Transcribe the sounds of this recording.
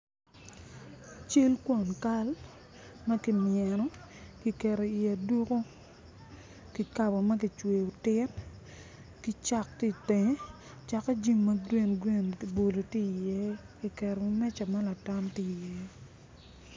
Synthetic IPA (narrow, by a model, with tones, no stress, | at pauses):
t͡ʃe˦lkwo˨nka˦l | mɐ˦ki˨mɪjɛ˨nɔ˦ | ki˨kɛ˨ɾo˨i˨a˨du˦ko˦ | ki˨ka˨bɔ˨mɐ˦k̬i˨t͡ʃwe˨o˨tɪ˦n | ki˦t͡ʃa˦k̚ti˦te˨ɲe˦ | t͡ʃa˨ka˦d͡ʒi˦ŋmɐ˦ɡwe˦nɡwe˦˨n˨bo˨lo˨ti˦˨jɛ˦ | ki˨kɛ˨ɾo˨˦mɛ˦t͡ʃa˨ma˦la˨ta˦mti˦˨jɛ˦